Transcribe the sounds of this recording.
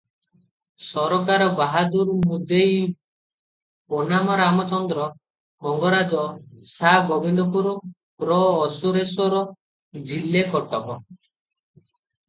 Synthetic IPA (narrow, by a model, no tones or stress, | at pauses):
sɔɾɔkaɾɔbaɦad̪uɾmud̪ej | pɔnamɔɾamɔt͡ʃɔnd̪ɾɔ | kɔŋɡɔɾad͡ʒɔsaɡɔbʱind̪ɔpuɾɔ | pɾɔːsuɾesɔɾɔ | d͡ʒilːekɔʈɔbɔ